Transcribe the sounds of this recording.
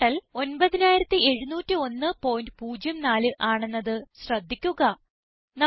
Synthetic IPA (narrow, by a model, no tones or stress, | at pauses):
ɐlo̞nbɐðinaːjiɾɐt̪ːie̞ɻunuːtːio̞nːɨpo̞ːjnɖɨpuːd͡ʑjɐmnaːlɨʔaːɳe̞nːɐðɨɕrɐd̪ʱːikʲːuɣɐ | nɐ